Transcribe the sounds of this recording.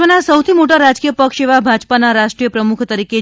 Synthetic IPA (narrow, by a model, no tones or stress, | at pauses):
ənasəwt̪ʰimoʈaɾad͡ʒkijəpəkʃeʋabʱad͡ʒpanaɾaʃʈɾijəpɾəmukʰt̪əɾike